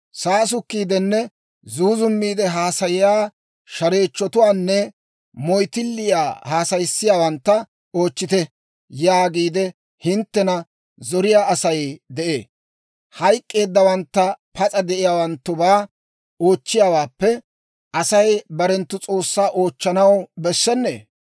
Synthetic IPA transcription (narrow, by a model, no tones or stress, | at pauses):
saːs̬ʊkːiːd̪ɛnːɛ | zuːzʊmːiːd̪ɛɦaːsɐjɪjaː | ʃɐɾe̞ːt͡ʃːɔt̪ʊwaːnːɛ | mɔjt̪ɪlːɪja̰ːhaːsɐjsːɪjaːwɐnt̪ːɐ | oːt͡ʃːɪt̪ɛ | jaːɡiːd̪ɛ | hɪnt̪ːɛnɐ | zɔɾɪjaːʔɐsɐjd̪ɛʔḛː | hɐjkʼːe̞ːd̪ːɐwɐnt̪ːɐpʰɐt͡sʼɐd̪ɛʔɪjaːwɐnt̪ːʊbaː | o̞ːt͡ʃːɪjaːwaːpːɛ | ɐsɐjbɐɾɛnt̪ːʊt͡sʼo̞ːsːaːʔo̞ːt͡ʃːɐnɐwbɛsːɛnːḛː